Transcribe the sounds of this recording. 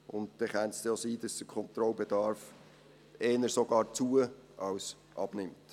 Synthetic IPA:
ʊntd̥̪ɛχænsd̥̪josiːd̥̪ɑsd̥̪əkʰχɔnt̪ɾɔlbɛdɑːɾf | ɛːnəɾsɔɡ̥ɑːɾt͡suəɑws | ʔɑ̰b̥nɪmt

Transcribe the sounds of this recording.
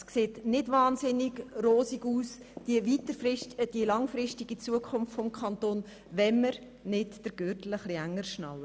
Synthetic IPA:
skseːtnɪdvɑːnzɪnɪɡroːsiɡuːs | ivitəd̥iəlɑŋfɾɪstiɡit͡suəkʰʊnftfɔmkʰɑntoːn | vɛnːəɾ | nɪdd̥əɾɡ̥øːtləχliæŋːəɾʃnɑ̰lə

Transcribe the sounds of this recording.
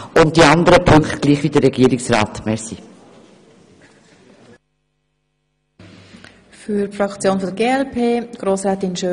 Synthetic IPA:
ʊnt̚d̥iɑnd̪əɾəpʰɵŋktɡliːχvʋid̪əɾɛɡiəɾɪksɾaːt̪mɛɾsi | fyfɾɑkt͡sjoːnfɔdəɾɡeːɛlpʰeːɡ̥ɾoːsɾɛːt̪ɪnʃø

